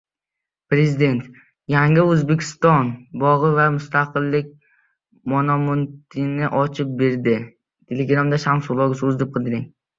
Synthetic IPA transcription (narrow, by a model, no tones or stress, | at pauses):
pɾe̞zid̪e̞nt̪ | jaŋɪɵzbekʲʰɪ̥st̪ɒnbɒʁɨvamʊst̪aqɨlˠːɪkʲ | monɒmont̪ʰɪnɪʔɒt͡ʃʰɪp̚beɾd̪ɪ | t̪ʰeleɡɾamd̪aʃamsʊlˠɒɡʲɪsozd̪ɪp̚qʰɨd̪ɪɾɪŋ